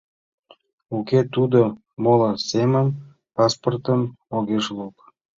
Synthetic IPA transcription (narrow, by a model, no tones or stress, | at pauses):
ukʲet̪ud̪o | moləseməm | pɑsport̪əmoɣeʃluk